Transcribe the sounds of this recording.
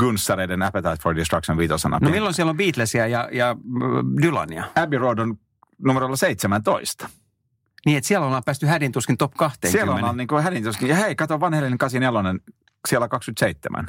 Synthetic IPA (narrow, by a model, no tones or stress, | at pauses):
ɡ̥unsːɑɾeidenæpet̪ɑit̪fordist̪rɑksonʋiːt̪o̰senɑ̰nomilːonsiælombiːt̪læsiæjɑjɑ | dylɑ̰niɑæbirodon | numeɾrolːɑseit̪semænt̪oist̪ɑ̥ | niːet̪siælonɑːpæːst̪yhædint̪uskint̪opkɑht̪ḛːŋsielonɑnniːŋkuhædint̪uskinjɑheikɑt̪oʋɑnhelːineŋkɑsinelonen | sielːækɑkskyt̪seit̪ːḛmʔæ̰n